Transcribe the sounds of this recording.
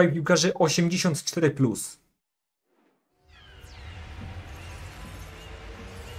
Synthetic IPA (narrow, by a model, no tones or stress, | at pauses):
ajpʲiwkaʐɘʔɔɕɛmd͡ʑeɕɔ̃nt̪t͡ʂt̪ɛɾɘplus